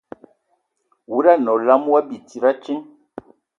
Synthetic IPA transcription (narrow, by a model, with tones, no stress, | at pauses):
wu˦ɾa˦nɔ˨la˦mwa˦bi˨ti˨ɾa˦t͡ʃi˦n